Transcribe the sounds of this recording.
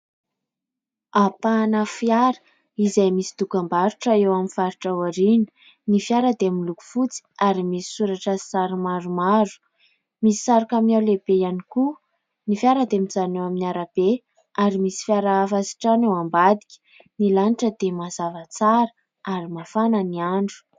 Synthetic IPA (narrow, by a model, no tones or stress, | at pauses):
apanəfjaɾə̥ | izajmisi̥t̪ukambaɾuʈ͡ʂəewaminfaɾiʈ͡ʂawaɾini̥ | nifiaɾəd̪eamiluku̥fut͡si̥aɾimisi̥suɾaʈ͡ʂəsaɾimaɾumaɾu̥ | misi̥saɾakaminawlebejaniku | nifiaɾəd̪eamizanewaminiaɾab̥e | aɾimisi̥fiaɾafasi̥ʈ͡ʂanewambad̪i̥kʲə̥ | nilaniʈ͡ʂəd̪emazavət͡saɾə | aɾimafanəniaɳɖ͡ʐu̥